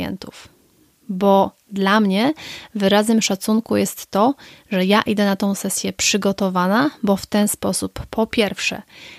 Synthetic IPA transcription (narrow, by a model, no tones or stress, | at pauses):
ɛ̰nt̪uf | bɔ | d̪lamɲɛvɘɾazɛmʂat̪suŋkujɛst̪ːɔʐɛjaʔid̪ɛnat̪ɔ̃w̃sɛsʲjɛpʂɘɡɔt̪ɔvanabɔft̪ɛnspɔsupːɔpʲjɛɾfʂɛ̰